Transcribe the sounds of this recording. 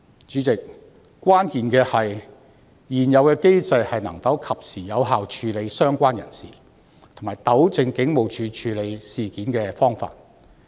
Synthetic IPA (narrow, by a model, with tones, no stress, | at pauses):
t͡ʃyː˨˥t͡sɪ˨k̚ | kːʷaː˥nkiː˨˧nkɛː˧hɐ˨j | jiː˨˩njɐ˨˧wkɛː˧ke˥jt͡sɐ˧jhɐ˨jnɐ˨˩ŋt̪ɐ˨˥wkʰɐ˨p̚siː˨˩jɐ˨˧wɦaː˨˧wt͡ʃʰyː˨˧le˨˧jsœː˥ŋkʷaː˥njɐ̰˨˩nsḭː˨˩ | t̪ʰo˨˩maː˨˩jt̪ɐ˨˥wt͡sɪ˨˧ŋkɪ˨˥ŋmo˨˧wt͡ʃʰyː˨˧t͡ʃʰyː˨˧le˨˧jsiː˨kiː˨˥nkɛː˧fɔː˥ŋfa̰ː˧˨t̚